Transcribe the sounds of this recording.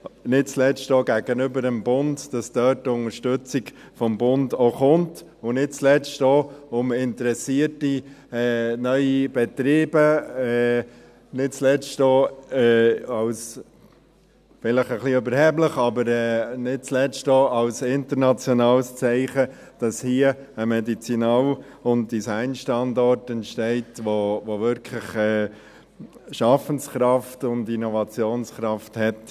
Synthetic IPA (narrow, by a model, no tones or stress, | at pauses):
nɪt̚t͡slɛt͡stoɡæɡənʏbəɾəmbʊndd̥ɑsd̥œt̚ːʊŋəɾʃtʉt͡sɪɡfɔmbʊndoχʊntʊnɪt̚t͡slɛt͡stoʊmɪntəɾɛsiːəti | ɛːnœʏib̥ɛtɾeːbəɛ | nɪt̚t͡slɛt͡stoːɛɑws | fɪləχəχliøbəɾhɛbləχɑbəɾɛːnɪt̚t͡slɛt͡stoːɑʊsɪntəɾnɑt͡sjɔnɑːlst͡sɛɪχə | d̥ɑshiəəmɛdit͡sinɑl | ʊn̚d̥isæɪnʃtɑndɔɾtɛntʃtɛɪtʋoʋoʋʏɾkʰləχɛː | ʃɑfənskɾɑftʊndinɔvɑt͡sjoːnskɾɑfthɛt